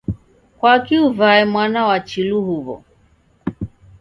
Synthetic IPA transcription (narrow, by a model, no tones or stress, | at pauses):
kwakiuvaɛmwanawat͡ʃiluɦuβɔ̰